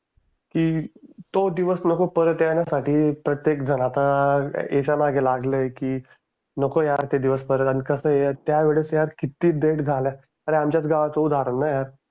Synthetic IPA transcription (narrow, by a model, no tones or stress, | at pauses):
kiːt̪od̪iʋəsnəkopəɾət̪jaɳjasaʈiːpɾət̪jekd͡zʱəɽ̃at̪aet͡ɕamaɡʱelaɡləjkiː | nəkojaɾt̪ed̪iʋəspəɾət̪aɽ̃ikəsəet̪jaʋeɭesjaɾkit̪ːiːd̪eʈd͡zʱalja | aɾeamt͡ɕjat͡sɡaʋat͡soud̪ʱaɾənːajaɾ